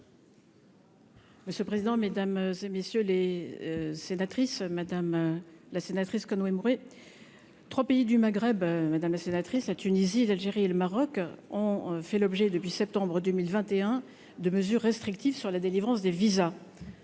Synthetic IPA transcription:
məsjølpχezid̪ɑ̃med̪amzemesjøle | senat̪χismad̪amlasenat̪χiskɔnwemuʁe | t̪χwapeid̪ymaɡʁɛbmad̪amlasenat̪χislat̪ynizilalʒeʁieləmaʁɔkɔ̃fɛlɔbʒɛd̪əpɥisɛp̚t̪ɑ̃bʁəd̪əmilvɛ̃t̪eɛ̃ | d̪əməzyʁːɛst̪χik̚t̪ivsyʁlad̪elivʁɑ̃sd̪eviza

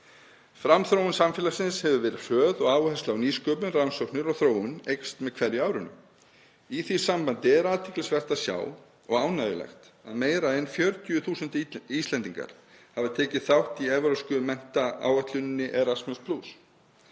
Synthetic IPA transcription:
fɾamθɾoːwɪnsamfɪːlasɪnshɛvʏvɛːɾɪ̥fœːðɔɣaːwhɛst̪lawniːskœːpʏnrawnsɔknʏɾɔɣθɾoːwʏnejkst̪mɛðkʰvɛɾjʏaːwɾʏnːʏ̰ | iθi̥sampant̪ɪɛɾaːðt̪ʰɪklɪsvɛr̥t̪aðsja̰ːw | ɔɣaːwnajɪ̰la̰jxt̪ | a̰ðmeːjɾaɛnfjœɾt̪jʏθuːsʏnt̪iːst̪lɛnt̪iŋka̰ɾ̥ | havɪt̪ʰɛːcɪθawht̪iɛvɾœskʏmɛn̥t̪aa̰wat̪lʏnɪnːɪʔɛɾasmɛnspʰluːs

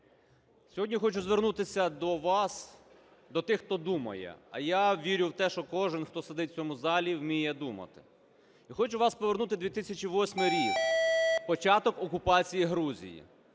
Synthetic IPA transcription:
sʲɔɦɔdʲnʲixɔt͡ʃʊzʋernut̪ɪsʲɐd̪ɔʋɑs | d̪ɔt̪ɪxt̪ɔd̪umɐ̰jɛ̰ɐ̰jaʋʲiɾʲʊwt̪ɛʃt͡ʃɔkɔʒɪnxt̪ɔsed̪ɪt̪̚ʲt͡sʲɔmʊzɑlʲiwmʲijɛd̪umɐ̰t̪ɪ̥ | ixɔt͡ʃʊʋɑspɔʋernut̪ɪd̪ʲʋʲit̪ɪsʲɐt͡ʃʲiʋɔsʲmɪɾʲikpɔt͡ʃɑt̪ɔkɔkʊpɑt͡sʲijiɦɾuzʲḭjḭ

